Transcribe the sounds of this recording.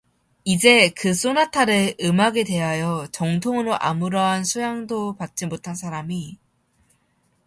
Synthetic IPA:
id͡ʑe̞kɯs͈onatʰaɾɯɭɯmaɡede̞ɦajʌt͡ɕʌŋtʰoŋɯɾoʔa̰muɾʌɦansʰojaŋdopat̚t͡ɕ͈imotʰansʰaɾami

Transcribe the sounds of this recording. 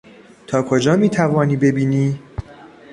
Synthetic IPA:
t̪ʰɒːkʰod͡ʒɒːmiːt̪ʰævɒːniːbe̞biːniː

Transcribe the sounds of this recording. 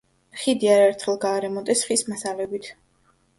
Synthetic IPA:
χid̪iaɾaɛɾt̪ʰχɛlˠɡaːɾɛmɔt̪ʼɛsχismasalɛbit̪ʰ

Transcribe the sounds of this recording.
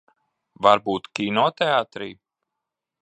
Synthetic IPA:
vaɾbuːt̪kʲinɔːt̪ɛat̪ɾḭː

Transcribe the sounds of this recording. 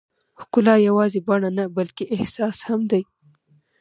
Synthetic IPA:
hkʊlɑjawɑzebaɳanabalkeʔɪhsɑshamd̪aj

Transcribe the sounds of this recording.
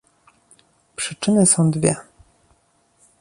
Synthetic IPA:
pʂɘt͡ʂɘnɘsɔ̃w̃d̪vʲjɛ̰

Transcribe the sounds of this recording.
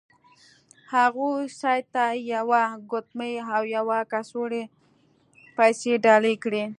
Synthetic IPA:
haɣusɑjt̪ːajawaɡʊt̪məjawjawakasoɽe | pajseɖɑlekɽi

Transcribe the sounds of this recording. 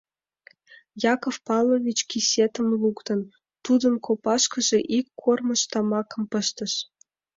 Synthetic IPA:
jɑkofpɑlˠovʲit͡ɕkʲisʲet̪ə̆mlˠukt̪ɤ̆n | t̪ud̪ɤ̆nkopɑʃkɤ̆ʒĕʔikːormɤ̆ʃt̪ɑmɑkɤ̆mpɤ̆ʃt̪ə̆ʃ

